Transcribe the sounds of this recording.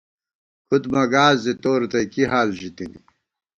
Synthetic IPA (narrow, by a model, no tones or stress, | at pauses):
kud̪mɐɡaːzit̪oːɾt̪ɐjkiɦaːlʑit̪inḭ